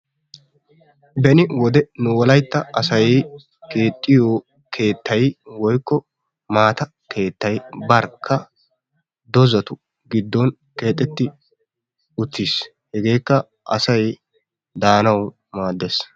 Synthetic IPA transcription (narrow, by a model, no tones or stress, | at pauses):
bɛnɪwɔd̪ɛnʊwɔlɐjt̪ːɐɐsɐj | ke̞ːt̪ʼːɪjoː | kʰe̞ːt̪ʰːɐjwɔjkːɔ | maːt̪ɐ | kʰe̞ːt̪ːɐjbɐɾkʰːɐ | d̪ɔzɐt̪ʊ | ɡɪd̪ːɔn | ke̞ːt̪ʼːɛt̪ːɪ | ʊt̪ːis | hɛɡe̞ːkːɐ | ʔɐ̰sɐj | d̪aːnɐw | maːd̪ːes